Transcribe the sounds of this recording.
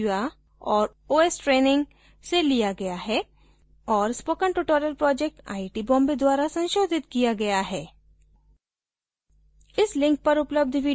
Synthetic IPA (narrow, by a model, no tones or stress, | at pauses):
a | ɔːɾ | oːesʈɾeːnɪ̃ŋɡ | selijaɡɐjaɦɛ | ɔːɾspoːkə̃ɳʈuʈoːɾəlpɾɔːd͡ʒek̚ʈa̰ːiʈibɔ̃ːmbed̪waːɾasɐ̃nʃoːd̪ʱɪt̪kijaɡɐjaɦɛː | ɪslɪ̃ŋk̚pɐɾʊpləb̚d̪ʱʋiː